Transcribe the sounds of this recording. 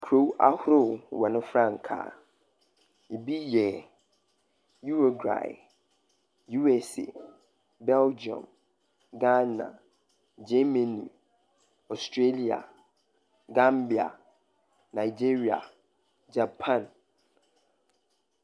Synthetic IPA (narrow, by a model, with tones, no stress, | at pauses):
kʰɾo˦wa˦hʊ˦ɾʊ˦˨wɛ˨nʊ̃˦fɾã˦˨ŋ˨kʰa̰ː˨ | i˨bi˦jɛ˨ | ju˦ɾo˨ɡɾa̰˨ɪ˨ | ju˦ɛ˨sḛ˨ | bɛ˦ld͡ʒɔ̰̃˨m | ɡa˦nã̰˨ | d͡ʒɛ˦mẽ˨nḭ̃˨ | ɔ˨stʰɾe˦li˨a̰˨ | ɡa˦mbi˨a̰˨ | nã˨ɪ˨d͡ʑi˦ɾi˨a̰˨ | d͡ʒa˨pʰã˦˨n